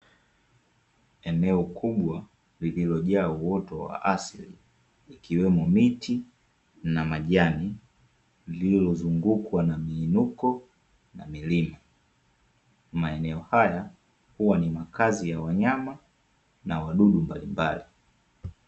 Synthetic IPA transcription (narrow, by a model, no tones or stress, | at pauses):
ɛnɛɔkʰuɓwa | lililɔʄaːuwɔtɔwa̰ʔasiliː | kiwɛmɔmiti | namaʄani | ililɔzuŋɡukwanamiːnukɔ | namilima | maɛnɛɔhaja | huwanimakazijawaɲama | nawaɗuɗumbalimbali